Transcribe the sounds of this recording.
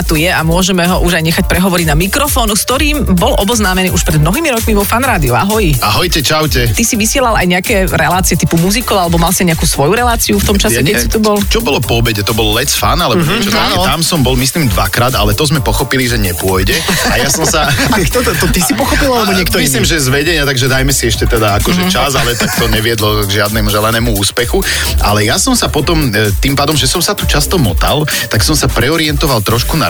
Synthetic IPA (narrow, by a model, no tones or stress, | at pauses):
at̪ujɛamʊɔʒɛmɛɦɔʔuʒajɲɛxac̚pɾɛɦɔʋɔɾiɟnamikɾɔfɔːnuskt̪ɔɾiːmbɔlʔɔbɔznaːmɛniːʔuʃpɾɛd̪̚mnɔɦiːmiɾɔkmiʋɔfanɾaːd̪iua̰ɦɔjaɦɔjcɛt͡ʃawcɛt̪isiʋisɪɛlala̰jɲɛakɛɾɛlaːt͡siɛt̪ipumuzikɔʊalɛbɔmalsiaɲɛakuːsʋɔjuɾɛlaːt͡siuft̪ɔmt͡ʃasɛkɛsit̪ub̪ɔlt͡ʃɔbɔlɔpɔbɛɟɛt̪ɔbɔllɛt͡sfa̰nalɛbɛanɔt̪amsɔmbɔlˠmislimd̪ʋa̰kɾaːd̪a̰lɛt̪ɔzmɛpɔxɔpiliʒɛɲɛpʊɔjɟɛajasɔmsakt̪t̪ɔt̪isipɔxɔpilalɛbɔɲɛkt̪ɔmisliːmʒɛzʋɛɟɛɲɪat̪aɡʒɛd̪ajmɛsiɛʃcɛt̪ɛd̪aakɔʒɛt͡ʃazalɛt̪akt̪ɔɲɛʋɪɛd̪lɔɡʒɪad̪nɛːmuʒɛlɛnɛːmuuːspɛxu | ʔa̰lɛjasɔmsapɔt̪ɔmt̪impaːd̪ɔmʒɛsɔmsat̪ut͡ʃast̪ɔmɔ̰t̪a̰l | t̪aksɔmsapɾɛɔɾɪɛnt̪ɔʋalˠt̪ɾɔʃkuna